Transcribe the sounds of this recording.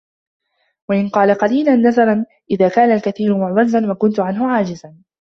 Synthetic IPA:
waʔɪnqɑːlaqɑliːlanːazɑɾˤɑn | ʔɪðaːkaːnalkaθiːɾʊmʊʕwazːanwakʊnt̪ʊʕanɦʊʕaːd͡ʒɪzan

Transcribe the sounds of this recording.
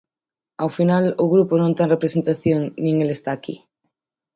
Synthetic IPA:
awfinalʊɣɾuponõnt̪enrepɾesent̪aθjoŋnĩŋelest̪aːkḭ

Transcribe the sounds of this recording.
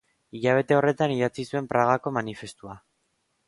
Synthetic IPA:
iʎaβ̞e̞t̪e̞o̞re̞t̪aniðat͡sisue̞mpɾaɣako̞manife̞st̪ua

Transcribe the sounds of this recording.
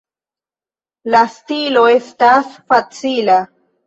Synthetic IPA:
lastiloestasfat͡sila

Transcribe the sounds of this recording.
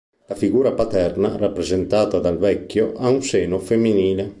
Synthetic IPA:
lafiɡuːɾapat̪ɛrnarapːɾezent̪aːt̪ad̪alvɛkːjoʔaunseːnofemːiniːle

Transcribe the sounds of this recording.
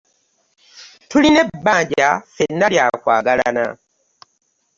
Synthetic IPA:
tuline̞bːaːɲɟafenːaljaːkwa̰ːɡala̰na̰

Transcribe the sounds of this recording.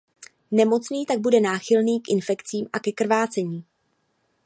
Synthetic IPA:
nɛmo̞t͡sniːt̪aɡ̚budɛnaːxɪlniːkʔɪnfɛkt͡siːmʔakɛkr̩vaːt͡sɛɲiː

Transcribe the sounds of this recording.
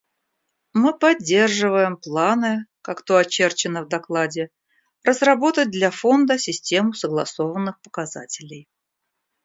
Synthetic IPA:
mɨpɐdʲːe̞rʐɨvəjɪmplˠanɨkakt̪oɐt͡ɕe̞rt͡ɕɪnəvd̪ɐklˠadʲɪ | rəzrɐbo̞t̪ət̚ʲd̪lʲafo̞nd̪əsʲɪsʲtʲe̞mʊsəɡlˠɐ̰so̞vənːɨxpə̥kaza̰tʲɪlʲɪj

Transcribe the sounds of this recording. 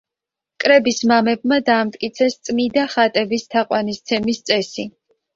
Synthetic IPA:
kʼɾɛbismamɛb̚mad̪aːmt̪ʼkʼit̪sʰɛst̪sʼmid̪aχat̪ʼɛbist̪ʰaqʼwanist̪sʰɛmist̪sʼɛsi

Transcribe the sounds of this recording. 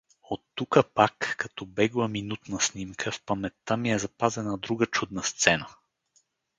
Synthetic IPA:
ot̪ːukəpakːɐt̪ɔbɛɡlˠəminut̪nɐsnimkʰəfpɐmɛt̪ːamiɛzɐpazɛnəd̪ɾuɡət͡ʃud̪nəst̪sɛnə

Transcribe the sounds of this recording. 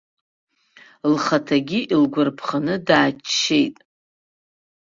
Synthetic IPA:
lχatʰaɡʲiʔilɡʷʊrpʰχanɨdaːt͡ʃʰʃːe̞jtʼ

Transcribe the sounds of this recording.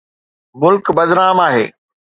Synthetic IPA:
mʊlkbɐd̪ɾaːmaːɦḛː

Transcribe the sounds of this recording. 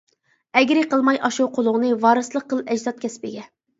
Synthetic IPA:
ɛɡʲɾɪqʰəlˠmɑjʔɑʃuwqʰolˠʊʁnɨvɑːɾɨslˠəqːəlˠɛd͡ʒzɑt̪̚kʲʰɛspɪɡʲɛ

